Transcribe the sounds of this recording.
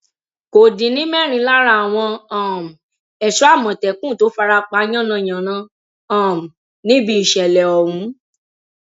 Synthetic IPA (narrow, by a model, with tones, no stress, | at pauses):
ko˨dĩ˨˦nĩ˦mɛ˦˨ɾ̃ĩ˧˦la˦ɾa˦a˨w̃ɔ̃˧ã˨m̩˨ | ɛ˨ʃɔ˨˦a˦˨mɔ̃˨tɛ˨kũ˦˨to˨˦fa˧ɾa˧k͡pa˧˦j̃ɔ̃˦˨nã˧j̃ã˨nã˨˦ | ã˨m̩˨ | nĩ˦bi˦i˨ʃɛ˨lɛ˨ɔ˨ɾũ˨˦